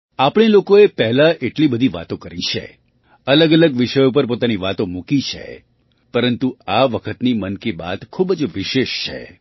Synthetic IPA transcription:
apɳ̃elokoepɛɦlaʔeʈlibəd̪ʱiʋa̰t̪okəɾit͡ʃʰḛ | ələɡələɡʋɪʃəjop̬əɾpot̪aniʋat̪omũkit͡ʃʰḛ | pəɾənt̪uaʋəkʰət̪nimənkiba̰t̪kʰubd͡ʒʋɪʃeʃt͡ʃʰḛ

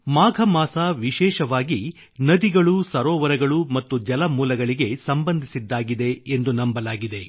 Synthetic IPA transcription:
maːɡʱɐmaːsaʋiʃɛːʃɐʋaːɡi | nɐd̪iɡɐɭusɐɾɔːʋɐɾɐɡɐɭumɐt̪ːud͡ʒɐlɐmuːlɐɡɐɭiɡe̞sɐmbɐnd̪ʱisid̪ːaːɡid̪e̞end̪unɐmbɐlaːɡid̪e̞

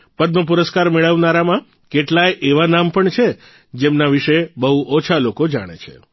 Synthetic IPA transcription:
pəd̪məp̬uɾəskaɾmeɭəʋnaɾamã | keʈlajʔeʋanampəɳt͡ʃʰe | d͡ʒemnaʋiʃebəɦuʔɔt͡ʃʰalokod͡ʒa̰ɽ̃ḛt͡ʃʰḛ

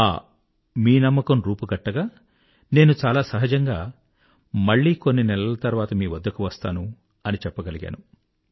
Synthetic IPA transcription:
a̰ː | miːnɐmːɐkɐmɾuːpuɡɐʈːɐɡaː | ne̞ːnut͡ʃaːlaːsɐɦɐd͡ʒɐŋɡaː | mɐɭːiːko̞nːinɛlɐlɐt̪ɐɾuʋaːt̪ɐmiːʋɐd̪ːɐkuʋɐst̪aːnu | ɐnit͡ʃɛpːɐɡɐliɡa̰ːnu

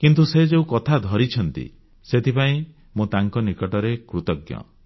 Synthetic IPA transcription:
kint̪̬used͡ʒeũkɔt̪ʰad̪ʱɔɾit͡ʃʰɔnt̪ḭ | set̪ʰipaĩ | mũt̪aŋkɔnikɔʈɔɾekɾut̪ɔɡjɔ̰

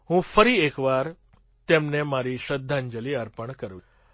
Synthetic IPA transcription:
ɦũfəɾiːekʋaɾ | t̪emnemaɾiɕəd̪ʱːãɲd͡ʒəliəɾpəɳkəɾʋ

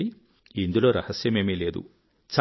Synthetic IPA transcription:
i | ind̪uloːɾɐhɐsjɐmeːmeːleːd̪ṵ | t͡ʃa

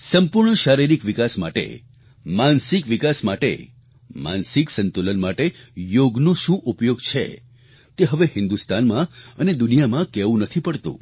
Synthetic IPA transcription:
səmpuɾɳəʃaɾiɾikʋikasma̰ʈḛ | mansikʋikasmaʈḛ | ma̰nsiksənt̪ulənmaʈejoɡnõʃũʔupjoɡt͡ʃʰḛ | t̪eɦəʋeɦɪnd̪ust̪anmãəned̪unijamãkɛʋũnət̪ʰipəɽt̪ṵ̃

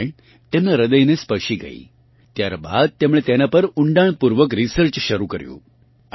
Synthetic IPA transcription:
t̪emnaɾəd̪əjnespəɕiɡa̰ḭː | t̪jaɾba̰d̪̚t̪emɭet̪enapəɾuɳɖaɳpuɾʋəkɾisəɾt͡ɕɕəɾukəɾjṵ̃

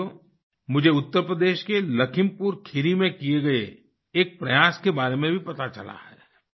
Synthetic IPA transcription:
o | mʊd͡ʒʱeʊt̪ːəɾpɾəd̪eːʃkelɐkʰɪmpuːɾkʰɪɾimẽkieɡɐeː | k̚pɾɐjaːskebaːɾemẽbʱipɐt̪at͡ʃɐla̰hɛ̰ː

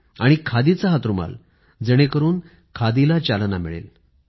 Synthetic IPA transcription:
aɽ̃ikʰad̪it͡saɦat̪ɾuma̰l | d͡zəɽ̃ekəɾuːn | kʰad̪ilat͡ɕalnamiɭḛl

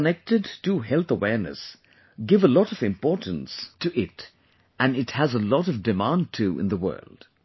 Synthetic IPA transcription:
kənɛk̚tɨdtɨɦɛlˠθəwɛɹnɨ̰s | ɡɪvəlɔɾʌvɨ̃mpɔɹtn̩stʰɨʔɪt | ɨ̃nɨthəzəlɔɾʌvdɨmãn̚tʰuɪ̰̃nðəwɜ̰˞lˠd̥

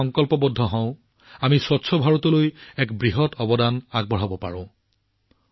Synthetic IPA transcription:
ɔŋkɔlpɔbɔdʱːɔɦɔ̃ʊ̃ | amiswɔtsʰɔbʱaɹɔtɔlojɛkbɹiɦɔtɔbɔdanaɡ̚bɔɦabɔpa̰ɹɔ̃

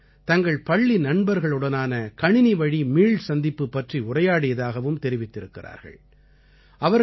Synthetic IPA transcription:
t̪ɐŋɡɐɭpɐɭːinɐɳbɐɾɣɐɭɯɽɐnaːnɐkɐɳɪniʋɐɻimiːɭsɐnd̪ɪpːɯpːɐʈriʊrɐjaːɽɪjɐðaːɣɐʋɯmt̪ɛɾɪʋɪt̪ːɪɾɯkːɪra̰ːɾɣɐ̰ɭ | ʔɐʋɐɾ

